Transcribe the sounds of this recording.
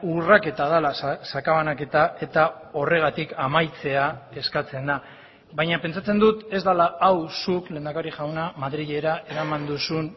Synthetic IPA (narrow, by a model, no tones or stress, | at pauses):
urake̞t̪að̞alassakaβanake̞t̪ae̞t̪ao̞re̞ɣ̞at̪ikamajt͡se̞ae̞skat͡se̞nd̪a | βajɲape̞nt͡sat͡se̞nd̪ut̪e̞zd̪alaawsukle̞ːnd̪akaɾiʝawnamaðɾiʎe̞ɾaʔe̞ɾamand̪usun